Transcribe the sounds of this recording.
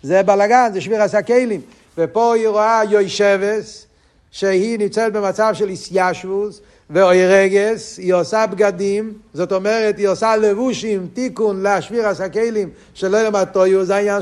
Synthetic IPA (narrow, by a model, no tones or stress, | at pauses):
zɛbalaɡanzɛʃviʁasakejlim | vɛpoiʁoajɔjʃɛves | ʃehinimt͡sɛtbemat͡savʃɛlisjaʃvus | veɔjʁɛɡesiosabɡad̪imzotomɛʁɛt̪hiosalevuʃimtikunleaʃviʁasakejlim | ʃelojomat̪ojuzaa